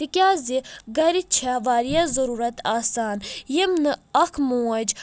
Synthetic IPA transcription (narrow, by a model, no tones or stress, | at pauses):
ikʲaːziɡɐɾit͡ʃʰaʋaːɾijazɐɾuːɾɐt̪aːsaːnjimnɨɐkʰmuːɐd͡ʒ